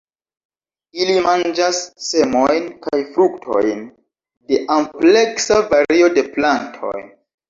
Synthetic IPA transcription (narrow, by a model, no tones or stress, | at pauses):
ilimand͡ʒasːe̞mo̞jnkajfɾuktʰo̞̰jn | de̞ʔample̞ksavaɾio̞de̞plantʰo̞̰j